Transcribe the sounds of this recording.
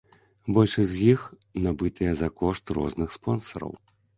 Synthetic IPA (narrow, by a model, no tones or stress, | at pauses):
bɔlʲʂɐzʲjix | nabɨt̪ʰɨjɛzɐkɔʂt̪rɔ̰znɨxspɔnsɐɾɐ̰w